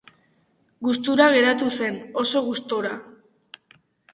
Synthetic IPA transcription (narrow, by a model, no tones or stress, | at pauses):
ɡust̪uɾaɣ̞e̞ɾat̪use̞no̞so̞ɣust̪oɾa